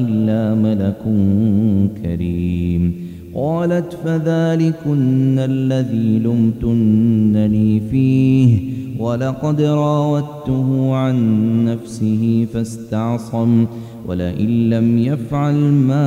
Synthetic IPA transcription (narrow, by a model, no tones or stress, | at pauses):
ɪlːaːmalakʊ | kʰa̰ɾiːm | qɑːlat̪faðaːlɪkʊnːalːaðiːlʊmt̪ʊnːaniːfiːhwalɑqɑd̪ɾˤɑːwat̪ʊɦʊʕanːafsɪɦɪfast̪ɑʕsˤɑm | wʔa̰laʔɪnːamjafʕalmaː